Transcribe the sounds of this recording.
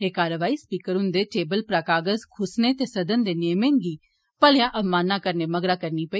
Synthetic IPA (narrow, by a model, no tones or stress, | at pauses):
eːkaːɾəʋaːiːspiːkəɾʊ̃nd̪eːʈeːbəlpɾaːkaːɡəzkʰʊsneːt̪eːsəd̪ənd̪eːnemẽːnɡiː | pəljãːʔəmaːnːãːkəɾneːməɡɾaːkəɾniːpəiː